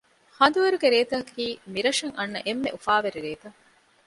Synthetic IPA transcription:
hɐd̪uʋɐɾuɡeɾeːt̪ɐkʰiːmiɾɐʃɐŋɐnːɐ̰ʔemːḛʔufaːʋeɾiɾeːt̪ɐ

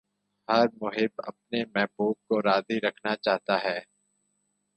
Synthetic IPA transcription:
hɐɾmʊɦɪbɐ̰p̚nemɛːɦbuːb̚koɾaːziɾɐkʰnat͡ʃaːɦt̪aɦɛː

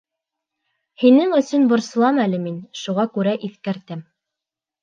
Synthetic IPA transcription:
hinɘŋɵ̆sɵnbŏɾsɤ̆lˠɑmælɘminʃuʁɑkʉɾæʔiθkæɾt̪ɘm

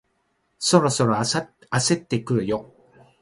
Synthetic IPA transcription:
so̞ɾo̞so̞ɾo̞aase̞t̪ːe̞kɯ̟ɾɯ̟jo

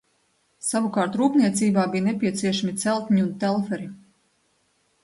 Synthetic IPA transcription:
savukaːɾt̪ɾuːpniɛt̪siːbaːbijnepʲiɛt̪siɛʃamit̪sɛlˠt̪ʲɲiunt̪ɛlˠfɛɾi

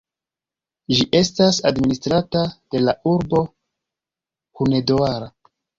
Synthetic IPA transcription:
ʒiʔe̞stasadministɾatad̥e̞laʔuɾbo̞ | hune̞doaɾa

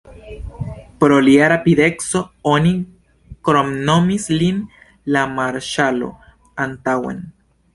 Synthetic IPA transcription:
pɾoliaɾapiðeksooni | kɾomnomislin | lamaɾʃalo̰ | ant̪awḛn

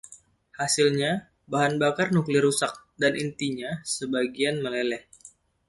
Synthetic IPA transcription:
hasilɲa | baɦanbakarnuklɪɾusak̚ | danʔint̪iɲasəbaɡianməlelɛh

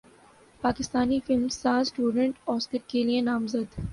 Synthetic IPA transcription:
paːkɪst̪aːnifɪlmaːzsʈuːɖə̃ɳʈɔːskɪʈ̚kelienaːmzəd̪

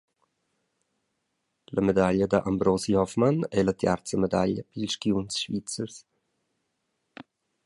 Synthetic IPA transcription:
lʔəmed̪aʎəd̪əʔambɾɔsihɔfmanɛlət̪ja̰rt͡səmed̪a̰ʎə̰pilʃkiunsʃvit͡səɾs

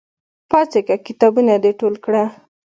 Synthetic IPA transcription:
pɑt͡sekakɪt̪ɑbunad̪eʈolkɽa

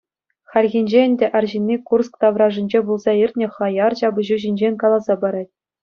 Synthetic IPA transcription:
χɑlʲɣʲinʲd͡ʑeɘ̆nʲdʲĕʔɑrʑinʲːikurskt̪ɑʋrɑʐɤ̆nʲd͡ʑebulˠzɑirʲtʲnʲĕχɑjɑrʑɑbɤ̆ʑuʑinʲd͡ʑenʲkɑlˠɑzɑbɑɾɑtʲ

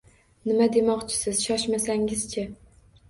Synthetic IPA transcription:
nɪmad̪e̞mɒqt͡ʃʰɪ̥sɪz̥ʃɒʃmasaŋɪz̥t͡ʃʰa

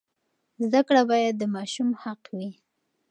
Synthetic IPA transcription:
zd̪akɽabɑjad̪̚ːəmɑʃumhaqwi

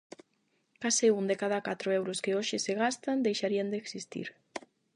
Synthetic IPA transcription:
kasɪuŋd̪ekaðakat̪ɾʊɛwɾʊskɪoʃɪseɣast̪and̪ejʃaɾiand̪eːksist̪ḭɾ

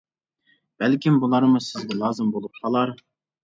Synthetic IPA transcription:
b̥ælkʲimbulˠɑɾmusɪzɡʲɛlˠɑːzɨmbolˠup̚χɑlˠɑɾ

